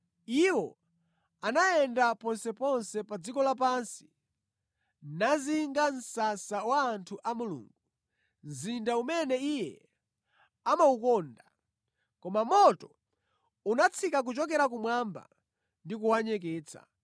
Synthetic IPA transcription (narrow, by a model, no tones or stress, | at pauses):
iwɔ̰ | anajɛndapɔnsɛpɔnsɛpad͡zikɔlap̬ansi̥ | naziŋɡan̩sasawaːntʰuʔamulṵːŋɡu | nzindaumɛnɛijɛ | amaukɔnda | kɔmamɔtɔ | unat͡sʰikak̬ut͡ʃɔk̬ɛɾak̬umwamba̰ | ndikuwaɲɛk̬ɛːt͡sʰa̰